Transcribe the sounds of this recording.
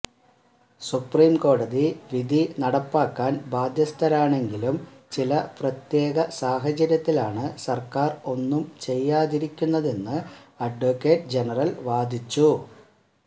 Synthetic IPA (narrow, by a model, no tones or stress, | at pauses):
supriːmko̞ːɽɐðiʋid̪ʱinɐɽɐpːaːkːaːnbaːd̪ʱjɐst̪ʰɐɾaːɳe̞ŋɡilumt͡ɕilɐprɐt̪je̞ːɡɐsaːɦɐt͡ɕɐɾjɐt̪ːilaːɳɨsɐrkaːro̞nːumt͡ɕe̞jːaːðiɾikʲːunːɐðe̞nːɨɐɖʋokːe̞ːʈd͡ʑe̞nɐrɐlʋaːd̪ʱit͡ɕːu